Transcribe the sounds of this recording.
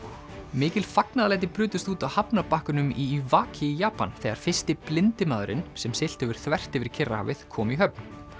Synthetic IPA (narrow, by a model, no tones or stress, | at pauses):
mɪːcɪlfaknaðalɛjt̪̬ɪpɾʏːt̪ʏst̪uːt̪ahapnapahkʏnʏmivaːcʰɪijaːpa̰nθɛɣaɾ̥fɪ̥st̪ɪplɪnt̪ɪmaːðʏɾɪ̰nsɛmsɪl̥t̪ɛvɪɾ̥θvɛr̥t̪ɛvɪɾ̥cʰɪrːaha̰vɪð̥kʰɔːmiɦœpn